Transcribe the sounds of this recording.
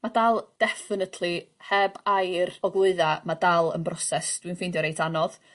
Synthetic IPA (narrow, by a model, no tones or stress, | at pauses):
madalˠd̥ɛfɪnətʰlˠihɛbajrɔɡlˠʊɨðamadalˠə̰nbrɔsɛsd̥winfɪndjɔɾejtʰanɔð